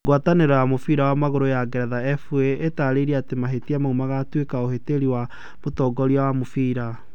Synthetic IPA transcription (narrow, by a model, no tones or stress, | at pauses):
ɡwataneɾɔjamofiːɾawamaɣoɾojaɡɛɾɛðaɛfueːtaɾeiɾiɛatemaɦetiamaumaɣatwekaoheteɾiwa | motɔːɡɔɾiawamofiːɾa